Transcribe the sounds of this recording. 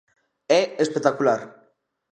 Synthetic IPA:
eespek̚t̪akulaɾ

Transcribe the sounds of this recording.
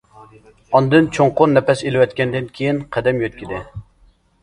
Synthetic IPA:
ɑnd̪ɨnt͡ʃʰoŋqʊnːɛpɛselɪwɛt̪kʲɛnd̪ɪnkʲʰejinqʰɛd̪ɛmjøt̪̚kʲʰid̪ɪ

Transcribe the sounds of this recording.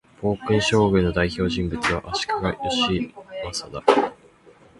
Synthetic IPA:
bo̞ːkɯ̟̃ɰ̃ɕo̞ːɡɯ̟̃nːo̞d̪aiço̞ːʑĩmbɯ̟t͡sɨβa̰ʔaɕi̥kaɡajoɕimasad̪a

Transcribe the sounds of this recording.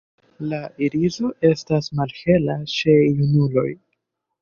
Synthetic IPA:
laiɾizo̞ʔe̞stasmalhe̞lat͡ʃe̞junulo̞̰j

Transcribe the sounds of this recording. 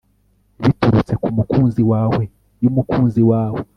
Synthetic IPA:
βituɾut͡se̞kumukuːnziwaːwe̞ | jumukuːnziwaːwe

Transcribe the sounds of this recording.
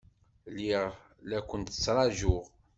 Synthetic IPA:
liʁ | lækʷːənt̪ə̥t͡sːɾˤɑʒʊʁ

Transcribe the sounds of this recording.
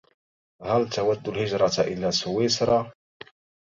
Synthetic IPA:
hælt̪awad̪ːʊlhɪd͡ʒɾˤɑt̪ʔɪ̰lːasʊwɪsɾˤɑ

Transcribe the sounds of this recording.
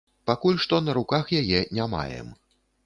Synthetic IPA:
pakulʲʂt̪ɔnɐɾukaxjajɛnʲama̰jɛ̰m

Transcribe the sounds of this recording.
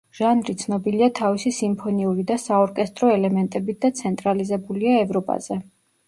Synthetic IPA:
ʒ̥anɾit̪sʰnɔbiliat̪ʰavisisimpʰɔniuɾid̪asaɔɾkʼɛst̪ʼɾɔɛlɛmɛnt̪ʼɛbit̪̚d̪at̪sʰɛnt̪ʼɾalizɛbuliaɛvɾɔpʼa̰z̥ɛ

